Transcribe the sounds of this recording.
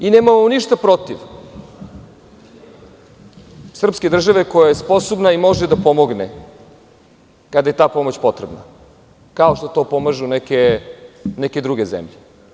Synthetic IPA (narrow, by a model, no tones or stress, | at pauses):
ineːmamoniʃt̪apɾo̞t̪iʋ | sr̩pske̞d̪r̩ʒaʋe̞kojajespo̞sobnaimo̞ʒed̪apo̞mo̞ɡne | kad̪aje̞t̪aːpo̞mot͡ɕpo̞t̪ɾebna̰ | kaoʃt̪ot̪o̞ːpo̞maʒunɛke | nɛke̞d̪ɾuɡe̞zḛmʎe